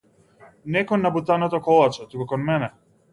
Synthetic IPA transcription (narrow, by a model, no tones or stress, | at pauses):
nɛkɔnːabut̪anɔt̪ɔkɔlˠat͡ʃɛt̪ukukɔnmɛnɛ